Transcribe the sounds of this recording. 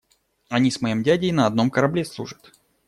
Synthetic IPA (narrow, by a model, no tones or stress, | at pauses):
ɐnʲismɐjimdʲædʲɪjnəːd̪no̞mkəɾɐblʲeslˠuʐə̥t̪